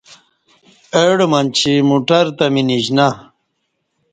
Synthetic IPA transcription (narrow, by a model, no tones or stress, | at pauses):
eɽmɐnt͡ɕʰimuʈɐɾt̪ɐminid͡ʑna